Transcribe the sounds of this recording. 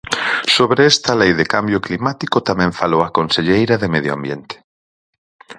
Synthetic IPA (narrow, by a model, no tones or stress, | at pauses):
soβɾeɛst̪ɐlejðekambjoklimat̪ikot̪amɛ̃ɱfalowakonseʎejɾɐðemeðjoa̰mbjent̪e̥